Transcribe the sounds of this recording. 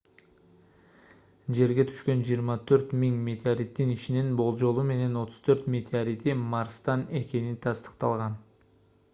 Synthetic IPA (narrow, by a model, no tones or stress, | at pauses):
d͡ʒe̞ɾɡe̞t̪ʰy̥ʃkø̞nd͡ʒijəɾmɑt̪ʰøɾt̪miŋmʲet̪eaɾit̪ːiniʃininbo̞lˠd͡ʒo̞lˠume̞ne̞no̞t̪ʰʊ̥z̥t̪ʰø̞ɾt̪mʲe̞t̪ʲeaɾit̪imɑɾst̪ɑne̞kʲe̞nint̪ʰɑst̪ə̥qt̪ɑlˠʁɑn